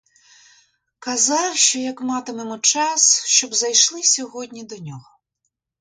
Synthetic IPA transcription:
kɐzɑwʃt͡ʃɔjɐkmɑt̪ɪmemʊt͡ʃɑsʃt͡ʃɔbzɐjʃlˠɪsʲɔɦɔdʲnʲid̪ɔnʲɔɦɔ

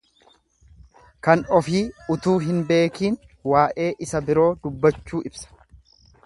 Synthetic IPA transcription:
kɐnɔfiːʊt̪uːɦɪnbe̞ːkiːn | waːʔe̞ːʔɪsɐbɪɾo̞ːd̪ʊbːɐt͡ʃːuːʔɪbsɐ̥

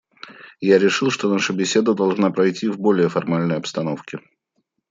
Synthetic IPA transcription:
jaɾʲɪʂɨlˠʂt̪onaʂʊbʲɪsʲe̞d̪əd̪ɐlˠʐnapɾɐjtʲʰivbo̞lʲɪjəfɐrmalʲnəjɐpst̪ɐnofkʲɪ

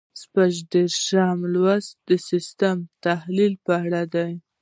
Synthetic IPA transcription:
spaʒd̪eɾʃɑmlwazd̪̥əsɪst̪amt̪ahlilpəaɽad̪aj

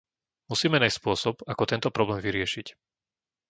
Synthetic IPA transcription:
musiːmɛnajsspʊɔsɔpakɔt̪ɛnt̪ɔpɾɔblɛːmviɾɪɛʃic

